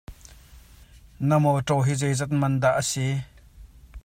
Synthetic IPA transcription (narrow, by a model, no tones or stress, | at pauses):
nɐmɔtɔɦizejzɛt̪̚mɐnd̪aʔəsi